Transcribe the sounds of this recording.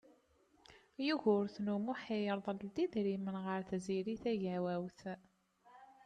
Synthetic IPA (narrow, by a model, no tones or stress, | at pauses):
juʝʊɾθnumuħijəɾˤðˤəld̪id̪ɾimənʁəɾθziɾiθæʝæwæwθ